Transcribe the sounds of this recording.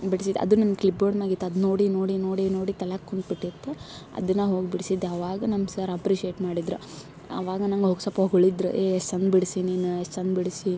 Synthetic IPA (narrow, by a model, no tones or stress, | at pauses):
biɽsid̪ɐ̰d̪unɐnɡklip̚boːɖmaːɡit̪ːɐd̪noːɽinoːɽino̞ːɽino̞ːɽit̪ɐlakkːoɳʈ̚biʈːit̪ːuɐ̰d̪ɐnːɐɦo̞ːɡbiɽsid̪eɐʋaːɡɐnɐmsɐɾɐpɾiʃieːʈmaːɽid̪ɾu | ɐ̰ʋaːɡɐnɐŋɡɦoɡsɐpɐɦoɡoɭid̪ɾuʔeesɐnbiɽsiniːnuestɐnbiɽsi